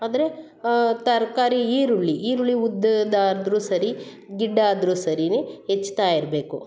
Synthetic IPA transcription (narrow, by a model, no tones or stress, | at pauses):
aːd̪ɐɾe̞ | t̪ɐɾkaːɾiiːɾuɭːiiːɾuɭːiud̪ːd̪aːɾɐd̪ɾuːsɐɾi | ɡiɖːaːd̪ɾuːsɐɾiniɦet͡ʃːt̪aːjiɾbe̞ːku